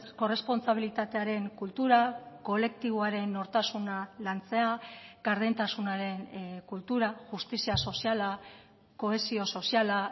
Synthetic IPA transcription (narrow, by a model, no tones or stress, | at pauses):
ko̞re̞spo̞nt͡saβ̞ilit̪at̪e̞aɾe̞ŋkult̪uɾako̞le̞k̚t̪iβ̞oaɾe̞nːo̞ɾt̪asunalant͡se̞aɡaɾðent̪asunaɾe̞nkult̪uɾaʝust̪isiaso̞siala | ko̞e̞sio̞so̞siala